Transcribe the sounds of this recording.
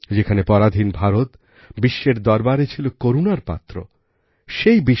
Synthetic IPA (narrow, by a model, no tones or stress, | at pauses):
d͡ʑekʰanepɔɾad̪ʱinbʱaɾot̪ | biʃːeɾd̪ɔɾbaɾet͡ɕʰilokoɾunaɾpa̰t̪ːɾo | ʃejbi